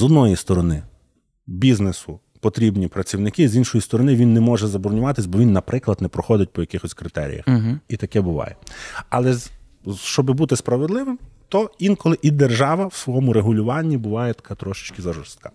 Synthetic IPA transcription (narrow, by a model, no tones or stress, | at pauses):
zɔd̪nɔjist̪ɔɾɔnɪ | bʲiznesʊ | pɔt̪ɾʲibnʲipɾɐt͡sʲiwnɪkɪzinʃɔjist̪ɔɾɔnɪʋʲinːɛmɔʒɛzɐbɔɾnʲʊʋɑt̪ɪsʲbɔʋʲinːɐpɾɪklˠɐd̪nɛpɾɔxɔd̪ʲɪt̚ʲpɔjɐkɪxɔsʲkɾɪt̪ɛ̰ɾʲḭjɐ̰xit̪ɐkɛbʊʋɑ̰jɛɐ̰lˠɛz | ʃt͡ʃɔbɪbut̪ɪspɾɐʋed̪lˠɪʋɪmt̪ɔinkɔlˠɪʔid̪erʒɑʋɐwsʋɔɔmʊɾeɦʊlʲʊʋɑnʲːibʊʋɑjɛt̪ɐ̥kʰɑt̪ɾɔʃɪ̥t͡ʃkɪzɐʒɔrst̪̚kɑ